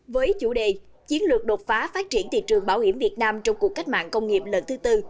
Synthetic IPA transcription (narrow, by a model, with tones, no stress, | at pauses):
vəː˨˦jt͡ɕṵ˧˩ɗḛ˧˨ | t͡ɕi˨˦ənlɨ˨˩ək̚ɗo˨˩t̚faː˨˦faː˦˥t̚t͡ɕi˧˩ənt̪ḭ˧˨t͡ɕɨ˨˩əŋɓaː˧˩whi˧˩əmvi˨˩ət̚naː˧mt͡ɕɔ˧wŋ͡mku˨˩kːa˦˥jk̟̚ma̰ː˧˨nkə˧wŋ͡mŋi˨˩p̚lə˨˦nt̪ʰɨ˨˦t̪ɨ˧